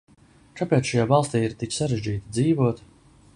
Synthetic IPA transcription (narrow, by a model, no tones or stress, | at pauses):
kapɛːt̪ʃajaːvɑlˠst̪iːiɾt̪iksaɾeʒd͡ʒiːt̪id̪ziːvuɔt̪